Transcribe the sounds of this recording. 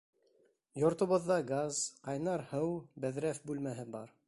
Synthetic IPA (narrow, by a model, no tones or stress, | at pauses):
jŏɾt̪ŏβŏðːɑɡazqɑjnɑɾhɤwbæðɾæfbʉlmæɦɘbɑ̰ɾ